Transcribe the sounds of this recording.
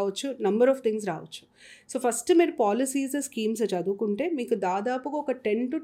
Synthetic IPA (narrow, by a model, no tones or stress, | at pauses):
ʋɐt͡ʃːunɐmbɐɾɔːft̪ʰiŋɡs̬ɾaːʋɐt͡ʃːu̥ | soːpʰɐsʈmeːɾupaːlisiːzɐskiːms̬ɐt͡ʃɐd̪ukuɳʈe̞ːmiːkud̪aːd̪aːpuɡaɔkɐʈeɳʈu